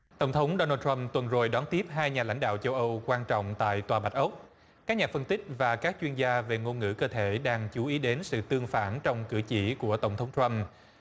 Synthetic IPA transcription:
t̪ə˧˩wŋ͡mt̪ʰə˨˦wŋ͡mɗo˧nəː˧t̪wa˧mt̪wə˨˩nzo˨˩jɗɔ˨˦nt̪i˦˥əp̚ɦaː˧jɲaː˨˩la̰˧˩jŋ̟ɗa̰ː˧˨wt͡ɕə˧wʔə˧wkwaː˧nt͡ɕɔ̰˧˨wŋ͡mt̪a̰ː˧˨jt̪waː˨˩ɓa˨˩t̚ʔə˦˥wk͡p̚ | kaː˦˥k̚ɲaː˨˩fə˧nt̪ï˦˥k̟̚vaː˨˩kaː˦˥k̚t͡ɕwi˧ənzaː˧ve˨˩ŋo˧nŋɨ̰˧˥kəː˧t̪ʰe˧˩˨ɗaː˧ŋt͡ɕu˨˦ʔi˨˦ɗe˨˦nsɨ̰˧˨t̪ɨ˧əŋfaː˧˩nt͡ɕɔ˧wŋ͡mkɨ̰˧˩t͡ɕi˧˩ku˧˩ət̪ə˧˩wŋ͡mt̪ʰə˨˦ŋ͡mt̪ɹa˧m

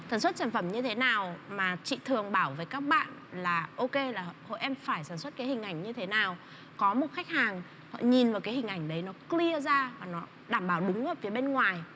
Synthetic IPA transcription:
t̪ʰaː˧˩nswə˦˥t̚saː˧˩nfə˧˩mɲɨ˧t̪ʰe˨˦naː˨˩wmaː˨˩t͡ɕḭ˧˨t̪ʰɨ˨˩əŋɓaː˧˩wveː˨˦jkaː˦˥k̚ɓa̰ː˧˨nlaː˨˩ʔo˧ke˧laː˨˩˨ho̰˧˨jʔɛ˧mfaː˧˩jsaː˧˩nswə˦˥t̚kaː˨˦jhï˨˩ŋ̟ʔa˧˩jŋ̟ɲɨ˧t̪ʰe˨˦naː˨˩w | kɔ˨˦mo˨˩t̚xa˦˥jk̟̚haː˨˩ŋ | hɔ̰˧˨ɲi˨˩nvaː˨˩wkaː˨˦hï˨˩ŋ̟ʔa˧˩jŋ̟ɗə˨˦jnɔ˨˦kli˧əzaː˧vaː˨˩nɔ˨˦ | ɗaː˧˩mɓaː˧˩wɗʊ˨˦ŋ͡mʔəː˨˩fi˨˦əɓe˧nŋwaː˨˩j

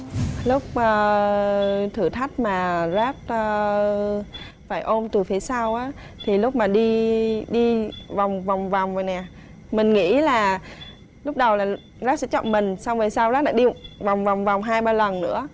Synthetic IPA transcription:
lʊ˦˥k͡p̚ʔəː˧˩ | t̪ʰɨ˨˩t̪ʰa˦˥jk̟̚maː˨˩zaː˦˥t̚ː | faː˧˩jʔo˧mt̪ɨ˨˩fe˨˦saː˧wʔaː˨˦ | t̪ʰi˨˩lʊ˦˥k͡p̚maː˨˩ɗi˧ɗi˧va˨˩wŋ͡mva˨˩wŋ͡mva˨˩wŋ͡mvə˨˩jnɛ˨˩ | mï˨˩ŋ̟ŋḭ˧˥laː˨˩ | lʊ˦˥k͡p̚ɗə˨˩wlaː˨˩ | zaː˦˥t̚sɛ̰˧˥t͡ɕɔ̰˧˨mï˨˩ŋ̟sa˧wve˨˩jsaː˧wzaː˦˥ɗa̰ː˧˥ɗi˧va˨˩wŋ͡mva˨˩wŋ͡mva˨˩wŋ͡mɦaː˧jɓaː˧lə˨˩nnɨ̰˧˥ə

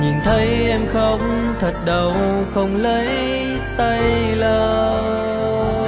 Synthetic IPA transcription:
ɲi˨˩nt̪ʰə˨˦jʔɛ˧mxə˧wŋ͡mt̪ʰə˨˩t̚ɗə˨˩wxə˧wŋ͡mləː˧˨˦j | t̪ə˧jləː˨˩

